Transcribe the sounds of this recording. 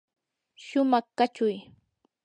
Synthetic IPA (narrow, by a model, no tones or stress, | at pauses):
ʃʊmɑχkat͡ʃʊj